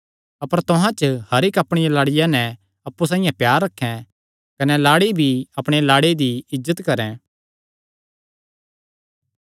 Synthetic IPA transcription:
ɐpəɾt̪ʊɦãt͡ʃhɐɾɪːkɐpɽ̃ɪjãlaːɽɪjãnɛ̃ | ɐpːus̬ãːɪ̃jãpjaːɾːɐkʰːɛ̃ | kɐnɛlaːɽibʱiɐpɽ̃elaːɽed̪iɪzːət̪kɐɾɛ̃

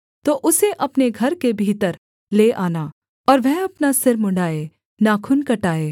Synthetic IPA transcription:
t̪oːʔʊseʔɐpneɡʱɐɾkebʱiːt̪əɾ | leːʔaːnaː | ɔːɾʋɛɦɐpnasɪɾmʊ̃ɳɖaːe | naːkʰʊnkɐʈaːeː

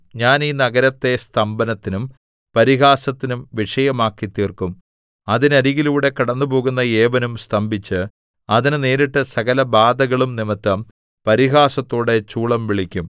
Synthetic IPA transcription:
ɲaːniːnɐɣɐɾɐt̪ːe̞st̪ʰɐmbɐnɐt̪ːinum | pɐɾiɣaːsɐt̪ːinumʋiʂɐjɐmaːkːit̪ːiːrkum | ɐðinɐɾiɣiluːɽe̞kiɽɐnːup̬o̞ːɣun̪ːɐe̞ːʋɐnumst̪ʰɐmbʱit͡ɕːɨ | ɐðinɨne̞ːɾiʈːɨsɐɣɐlɐbaːd̪ɐɣɐɭumnimɐt̪ːɐm | pɐɾiɣaːsɐt̪ːoːɽe̞t͡ɕuːɭɐmʋiɭikʲːum

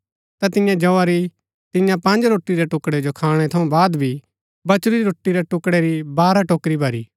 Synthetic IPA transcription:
t̪at̪ɪjãd͡ʒɐ̃aɾi | t̪ɪjãpɐ̃nd͡ʒɾoːʈːiɾɛʈʊkɽɛd͡ʒokʰaːɽ̃ɛt̪ʰɐũbaːd̪bʱi | bɐt͡ʃʊɾiɾoːʈːiɾɛʈʊkɽɛɾibaːɾaʈoːkɾibʱɐɾiː

